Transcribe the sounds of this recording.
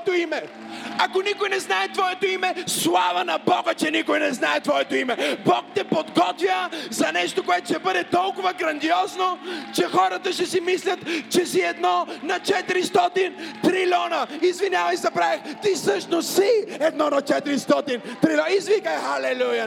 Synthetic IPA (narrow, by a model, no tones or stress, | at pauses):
t̪oimɛ | akonikojnɛznaɛt̪vɔɛt̪oimɛslˠavɐnɐbɔɡət͡ʃɛnikojnɛznaɛt̪vɔɛt̪oimɛbɔkt̪ɛpod̪ɡɔt̪vʲjəzɐnɛʃt̪okoɛt̪o̥ʃɛbəd̪ɛt̪ɔlˠkʊvɐɡɾɐnd̪iɔznot͡ʃɛxɔɾət̪əʃɛsimislʲɐt̪t͡ʃɛsiɛd̪nɔnɐt͡ʃɛt̪iɾist̪ɔt̪int̪ɾilʲɔnəizvinʲavɐjsd̪ɐpɾavixt̪isɤʃnossiɛd̪nɔnɐt͡ʃɛt̪iɾist̪ɔt̪int̪ɾilʲɔizvikəjxɐlɛlujə